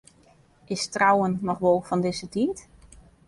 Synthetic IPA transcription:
ʔɪstrawənːɔχʋolˠfɔndɪzətiːt

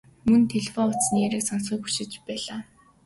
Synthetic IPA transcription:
mɵnt̪ʰeɮefɔʊt͡ssneɾeːksɔnsʊ̆ːkpu̥ʃɪ̆t͡ɕpæːɮaː

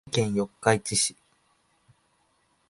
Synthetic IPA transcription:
kẽɰ̃jo̞kːait͡ɕiɕi̥

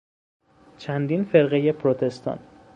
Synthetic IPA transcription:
t͡ʃʰænd̪iːnfe̞ɾɣeje̞pʰɾot̪ʰe̞st̪ʰɒ̰n

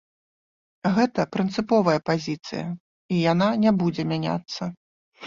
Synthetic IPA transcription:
ɣɛt̪ɐpɾɨnt̪sɨpɔvɐjɐpazʲit̪sɨ̰jɐ̰ | ijananʲɛbud͡zʲɛmʲanʲa̰t̪sːɐ

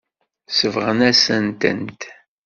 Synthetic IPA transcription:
səvʁənæsənt̪ə̰nt̪

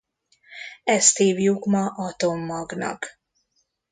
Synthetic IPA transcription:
ɛst̪iːvjukmɒʔɒt̪omːɒɡnɒ̰k

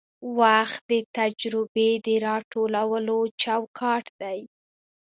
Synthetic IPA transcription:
waxt̪̚d̪ət̪ad͡ʒɾɪbed̪əɾɑʈolawəlot͡ʃawkʰɑʈd̪aj

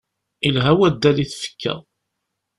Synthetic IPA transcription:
ilɦæwæd̪ːæliθfə̥kʰːæ̰

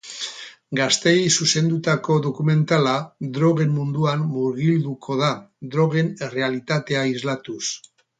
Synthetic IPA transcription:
ɡast̪e̞jsuse̞nd̪ut̪ako̞ðo̞kume̞nt̪alad̪ɾo̞ɣ̞e̞mːund̪uamːuɾɣild̪ukʰo̞ðad̪ɾo̞ɣ̞e̞nere̞alit̪at̪e̞aizlat̪us

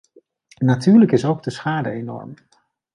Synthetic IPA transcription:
natyːɹləkɪsowɡ̚dəsχaːdəejnɔ̰ɹm

